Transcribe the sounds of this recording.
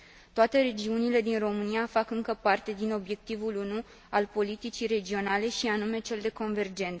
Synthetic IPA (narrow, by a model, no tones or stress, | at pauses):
t̪oat̪e̞ɾe̞d͡ʒiunile̞d̪inro̞mɨniafakɨŋkəpart̪e̞d̪ino̞bje̞k̚t̪ivulunu | alpo̞lit̪it͡ʃire̞d͡ʒio̞nale̞ʃianume̞t͡ʃe̞ld̪e̞ko̞nve̞rd͡ʒe̞nt̪s